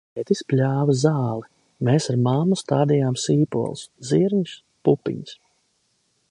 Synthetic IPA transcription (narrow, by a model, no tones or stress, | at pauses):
ɛt̪isplʲaːvazaːlˠɛ | meːsaɾmamːust̪aːd̪ijaːmsiːpṵɔ̰lˠsziɾɲs | pupḭɲs